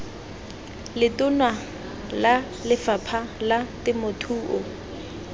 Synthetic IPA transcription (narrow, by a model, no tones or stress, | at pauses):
lɪtʊnwa | la | lɪfapʰalatɪmʊtʰuːʔʊ